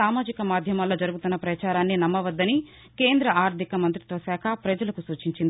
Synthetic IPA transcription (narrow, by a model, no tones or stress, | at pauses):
aːmaːd͡ʒikɐmaːd̪ʱjɐmaːlːoːd͡ʒɐɾuɡut̪unːɐpɾɐt͡ʃaːɾaːnːinɐmːɐʋɐd̪ːɐni | keːnd̪ɾɐʔaːɾd̪ʱikɐmɐnt̪ɾit̪ʋɐsaːkʰɐpɾɐd͡ʒɐlɐkusuːt͡ʃiɲt͡ʃind̪i